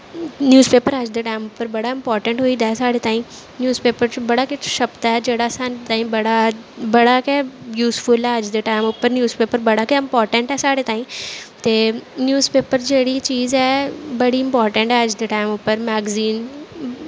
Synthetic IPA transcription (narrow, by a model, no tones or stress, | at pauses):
njuːzpeːpəɾəd͡ʒd̪əʈaːɪmʊpəɾbɐɽaɪ̃mpɔːɾʈə̃ɳʈɦoid̪aːɦɛsaːɽet̪ãːɦĩ | njuːzpeːpəɾbɐɽakɪʃɐbt̪aɦɛd͡ʒeːɽasãt̪aːĩbɐɽabɐɽakɛjuːsfʊlɛɐd͡ʒd̪əʈaːɪmʊpəɾnjuːzpeːpəɾbɐɽakeɪ̃mpɔːɾʈə̃ɳʈɦɛsaːɽet̪aːĩt̪eːnjuːzpeːpəɾd͡ʒeːɽit͡ʃiːzɛbɐɽiɪ̃mpɔːɾʈə̃ɳʈɦɛɐd͡ʒd̪əʈaːɪmʊpːəɾmɛːɡziːn